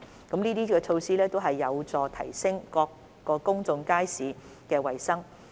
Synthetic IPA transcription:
kɐ˨˥mniː˥t̪iː˥kɛː˧t͡sʰo˧wsiː˥lɛː˥t̪o˥wɦɐ˨jːɐ˨˧wt͡sɔː˨˩t̪ʰɐ˨˩jsɪ˥ŋkɔː˧kː | ɔː˧kʊ˥ŋt͡sʊ˧ŋkaː˥jsiː˨˧ | kɛː˧wɐ˨jsɐ˥ŋ

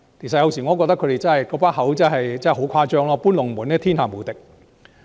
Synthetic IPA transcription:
t̪ʰi˨˩sɐ˨˩jɐ˧wsiː˨˩ŋɔː˨˧kɔː˧k̚t̪ɐ˥kʰːɵ˨˧˥te˨jt͡sɐ˥nhɐ˨jkɔː˨˧˥paː˥nɦɐ˨˥wt͡sɐ˥hɐ˨jt͡sɛ˥˨˩ɦo˨˥wkʷʰaː˧t͡ʃœː˥ŋlɔː˧˥puː˥nlʊ˨˩ŋmuː˨˥nɛː˥t̪ʰi˥nhaː˨muː˨˩t̪ɪ˨k̚

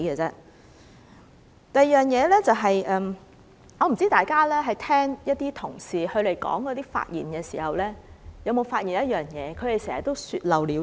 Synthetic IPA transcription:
ə˧t͡sɛː˥ | t̪ɐ˨˩˨jœː˨ŋjɛː˨˧lɛː˥t͡sɐ˨wɦɐ˨jʔɛː˨˧m | ɔ˨˧m̩˨˩t͡siː˥t̪aː˨˩jkaː˥lɛː˥ɦɐ˨jt̪ʰɛː˥ŋjɐ˥t̚t̪iː˥t̪ʰʊ˨˩ŋsiː˨˩hɵ˧ɥle˨˩jkɔ̰ː˨˥ŋkɔː˨˧t̪iː˥fa̰ː˧t̚jḭː˨˩nkɛː˧sḭː˨˩hɐ˨wlɛː˥jɐ˨˧wmo˨˧wfaː˧t̚jiː˨˩njɐ˥t̚jœː˨ŋjɛː˨˧kʰɵ˨˧ɥɾe˨jsɛː˨˩hɐ˨˩t̪o˥wsyː˧t̚lɐ˨wliː˨˧

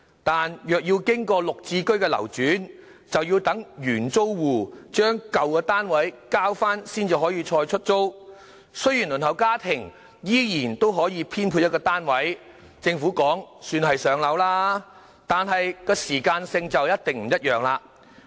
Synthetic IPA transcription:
t̪aː˨njœː˨k̚jiː˧wkɪ˥ŋkɔː˧lʊ˨k̚t͡siː˧kɵ˥ɥkɛː˧lɐ̰˨˩wt͡ʃyː˨˥n | t͡sɐ˨wjiː˧wt̪ɐ˨˥ŋjyː˨˩nt͡so˥wwuː˨˩t͡ʃœː˥ŋkɐ˨wkɛː˧t̪aː˥nwɐ˨˥jkaː˥wfaː˥nsiː˥nt͡si˨wɦɔː˨˥jiː˧t͡ʃʰɔː˧jt͡ʃʰɵ˥t̚t͡so˥w | sɵ˥ɥjiː˨˩nlɵ˨˩nt̪ʰhɐ˨˩wkaː˥t̪ʰɪ˨˩ŋ | jiː˥jiː˨˩nt̪o˥wɦɔː˨˥jiː˨˧pʰiː˥npʰu˧jɐ˥kːɔː˧t̪aː˥nwɐ˨˥j | t͡sɪ˧ŋfuː˨˥kɔː˨˥ŋsyː˧nɦɐ˨jsœː˨˧ŋlɐ˨˥wlaː˥ | t̪aː˨nɦɐ˨jkɔː˧siː˨˩kaː˧nsɪ˧ŋt͡sɐ˨wjɐ˥t̚t̪ɪ˨ŋm̩˨˩jɐ˥t̚jœː˨ŋlaː˧

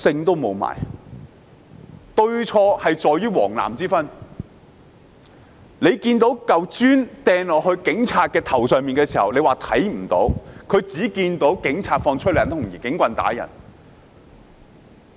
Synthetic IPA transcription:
sɪ˧ŋt̪o˥wmo˨˧wma̰ː˨˩j | t̪ɵ˧ɥt͡ʃʰɔː˧hɐ˨jt͡sɔː˨jyː˥wɔ̰ː˨˩ŋla̰ː˨˩mt͡siː˥fɐ˥n | le˨˧jkiː˧nt̪o˨˥wkɐ˨wt͡ʃyː˥nt̪ɛː˨˧ŋlɔː˨˩k̚hɵ˧ɥkɪ˨˥ŋt͡sʰaː˧t̚kɛː˧t̪ʰɐ˨˩wsœː˨ŋmiː˨nkɛː˧siː˨˩hɐ˨wle˨˧jwaː˨˩t̪ʰɐ˨˥jm̩˨˩t̪o˨˥wkʰɵ˨˧ɥt͡siː˨˥kiː˧nt̪o˨˥wkɪ˨˥ŋt͡sʰaː˧t̚fɔː˧ŋt͡ʃʰɵ˥lːt̪ʰʊ˨˩ŋjiː˨˩kɪ˨˥ŋkʷɐ˧nt̪a̰ː˨˥jɐ̰˨˩n

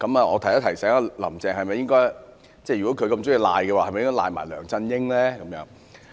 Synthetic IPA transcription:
kɐ˨˥maː˨ɔː˨˧t̪ʰja˥t̪ʰjsɛː˨˥ŋaː˧lɐ̰˨˩mt͡sɛː˨ŋhɐ˨jmɐ˨jɪ˥ŋkɔː˥j | t͡sɛː˥˩jyː˨˩kɔː˨˥kʰkɐ˧mt͡sʊ˥wji˨˧la̰ː˨˧jkɛ˧waː˨hjm˨jɪ˥ŋkɔː˥laː˧jmaː˨˩jlœ̰ː˨˩ŋt͡sɐ˧njɪ˥ŋlɛː˥kɐ˨˦mjœ̰ː˨˥ŋ

